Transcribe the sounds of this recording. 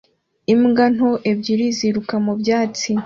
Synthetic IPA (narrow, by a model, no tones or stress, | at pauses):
imɡan̥oʔebɟiɾiziɾukamubjaːt͡si